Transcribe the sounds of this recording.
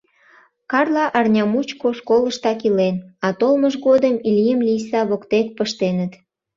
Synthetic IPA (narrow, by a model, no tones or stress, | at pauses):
kɑrlɑʔɑrnʲɑmut͡ɕkoskoləʃt̪ɑkilenɑt̪olməʒɣod̪əmilʲijəmlijsɑβokt̪ek̚pəʃt̪enət̪